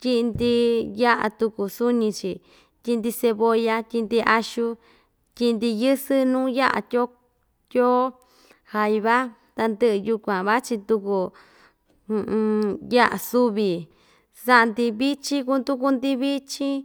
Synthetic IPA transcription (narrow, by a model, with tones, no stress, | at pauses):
t̪ʲi˦˧nd̪i˧ja˦ʔa̰˧t̪u˧ku˨su˦ɲĩ˧t͡ʃi˨ | tʲi˧nd̪i˧se˧βo˧ja˧t̪ʲi˧nd̪i˧ʔa˧ʃu˧ | tʲi˧nd̪i˧jɨ˦sɨ˦nũː˦ja˦ʔa̰˨t̪ʲo˦ | t̪ʲoː˦ | ha˧jβa˦ | t̪a˧nd̪ɨ˦ʔɨ˧ju˧kʷã˨βa˦t͡ʃi˧t̪u˧ku˧ | ja˦ʔa̰˨su˦βi˨ | sa˦ʔnd̪i˧βi˦t͡ʃi˦ku˧˦nd̪u˦ku˧nd̪i˧βi˦t͡ʃĩ˦